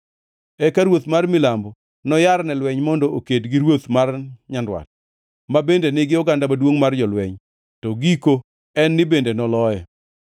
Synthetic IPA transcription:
ɛkaɾwot̪marmɪlambɔ | nɔjaɾnɛlwɛɲmɔndɔokedɡɪɾwot̪marɲandwa̰t̚ | mabendenɪɡɪɔɡandamadwoŋmard͡ʒɔlwɛɲ | tɔɡiko | ɛnːɪbendenɔlɔjɛ

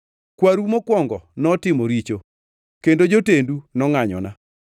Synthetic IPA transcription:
kwaɾumokwɔŋɡɔnɔtɪmoɾit͡ʃo | kendod͡ʒotendunɔŋaɲɔ̰na

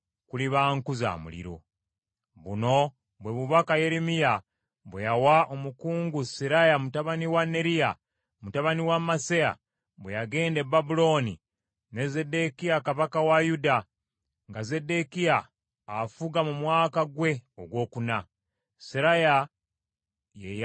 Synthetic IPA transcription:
kuliβaːŋkuza̰ːmṵlḭɾo̞̰ | βuno̞ | βwe̞βuβakaje̞ɾemija | βwejawaʔomukuːŋɡusiɾajamutaβaniwanːe̞ɾija | mutaβaniwamaseja̰ | βwejaɡe̞ːnde̞bːabulo̞ːni | ne̞ze̞de̞kijakaβakawajuda | ŋɡaze̞de̞kijaː | fuɡamumwaːkaɡwe̞oɡwo̞ːkuna | siɾaja | jej

